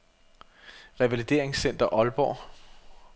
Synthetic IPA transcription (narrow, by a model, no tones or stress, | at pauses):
ʁɛʋælid̥e̝̰ɐ̰eŋsen̰d̥ɐʔɒ̽lb̥ɒ̰